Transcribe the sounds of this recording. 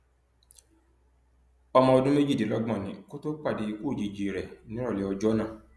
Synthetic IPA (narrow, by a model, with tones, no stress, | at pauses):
ɔ˧mɔ̃˧ɔ˧dũ˦me˦d͡ʒi˦˨i˨lɔ˨˦ɡmã˨nĩ˨˦ko˦to˦k͡pa˦˨di˧i˧ko˦˨d͡ʒi˨˧˨d͡ʒi˨˧˨ɾɛ˨nĩ˦ɾɔ˦˨lɛ˨˦ɔ˧d͡ʒɔ˦nã˦˨